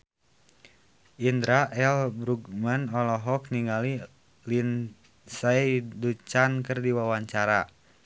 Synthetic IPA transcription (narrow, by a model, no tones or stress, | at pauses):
ʔindɾaʔɛlbɾuɡmanɔlɔɦɔkniŋali | lin | saidut͡ʃankərdiwawaɲt͡ʃaɾa